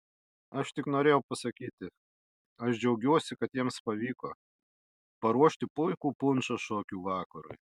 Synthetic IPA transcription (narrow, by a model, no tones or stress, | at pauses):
ɐʃt̪ʲɪknoːɾʲeːjɛʊpɐsɐkʲiːt̪ʲɪ | ɐʃd͡ʒʲɛʊɡʲuɔsʲɪkɐt̪jiɛmspɐʋʲiːkoː | pɐɾuɔʃʲt̪ʲɪpʊɪkuːpʊnʲt͡ʃɐʃoːkʲuːʋɑːkɐɾʊ̰j